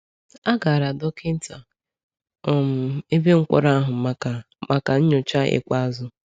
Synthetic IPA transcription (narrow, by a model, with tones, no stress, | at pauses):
a˦ɡa˨a˨ɾa˨dɔ˦ke˦n̩˦ta˨ | ɔ˨m̩˨e˦be˦ŋ̩˦kʷɔ̰˦ɾa˦a˦ɦʊ˨ma˨ka˨ | ma˨ka˨ɲ̩˦ɲʊ˨t͡ʃa˦ḛ˨kʷa˦a˦zʊ˦